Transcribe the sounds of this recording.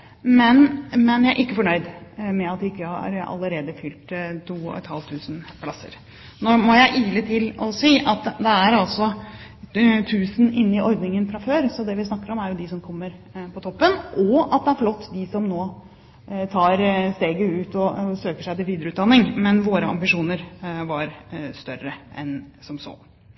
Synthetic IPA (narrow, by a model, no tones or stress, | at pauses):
mɛnmɛnjæɪæɾʔɪkːəfɔɳœʏd̪mɛɑt̪d̪ɪɪkːəhɑ̰ɾɑ̰lːəɾeːd̪əfʏlt̪t̪ʰuːɔ̰ɛ̰t̪hɑlʋt̪ʰʉːsn̩pʰlɑsːə̰ɾ | noːmɔjæɪʔiːlət̪ʰɪlɔsiːʔɑt̪d̪ɛæɾɑlsɔ | t̪ʰʉːsn̩ʔɪnːɪʔɔɾd̪nɪŋənfɾɑføːɾsɔd̪ɛʋɪsnɑkːəɾɔmæɾjʊd̪ɪsɔmkʰɔmːəɾpʰɔt̪ʰɔpːənʔɔɑt̪̚d̪ɛæɾflɔt̪ːd̪ɪsɔmnoː | t̪ʰɑːɾst̪eːɡəʉːt̪ɔsøːkəʂæɪt̪ɪʋiːd̪ɾəʉːt̪d̪ɑnːɪŋmɛnʋoːɾəɑ̰mbɪʂuːnəɾʋɑɾst̪œɾəɛ̰nsɔmso̰ː